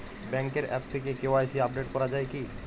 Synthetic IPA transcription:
bɛŋkeɾɛp̚t̪ʰek̬ekeoajsiab̚ɖeʈkɔɾad͡ʑaeki

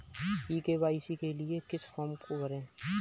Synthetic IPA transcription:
iːkeːʋaːisikeliekɪsfʰɔːmkobɐɾẽː

